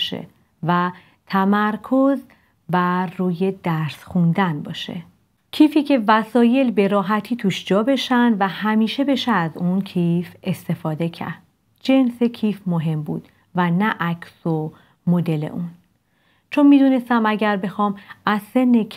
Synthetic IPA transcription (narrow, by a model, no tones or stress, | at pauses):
ʃḛ | væ | t̪ʰæmæɾkʰo̞z | væruːje̞d̪æɾsxund̪ænbɒːʃḛ | cʰiːfiːcʰe̞væsɒːje̞lbe̞ɾɒːɦæt̪ʰiːt̪ʰuːʃd͡ʒɒːbe̞ʃænd̪væhæmiːʃe̞be̞ʃææzuncʰife̞st̪e̞fɒːd̪e̞cʰæ̰ɾd̪̥̚ | d͡ʒe̞nse̞cʰifmoɦe̞mbṵːd̪̥ | vænæʔæcʰso | mod̪e̞lḛʔun | t͡ʃʰo̞nmiːd̪unest̪æmæɟæɾbe̞xɒːmʔæzse̞nːe